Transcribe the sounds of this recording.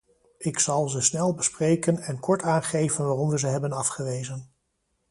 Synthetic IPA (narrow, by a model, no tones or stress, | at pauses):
ɪksɑlˠzəsnɛlˠbəsprejkənɛnkɔɹtaːnχejvənʋaːrɔmʋəzəɦɛbənɑfχəʋejzən